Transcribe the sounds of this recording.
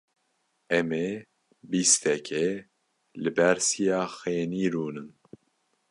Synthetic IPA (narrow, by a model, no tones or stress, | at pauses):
ɛme | bist̪ʰɛkʰɛ | lɨbɛɾsijaːxeːniːɾuːnɨn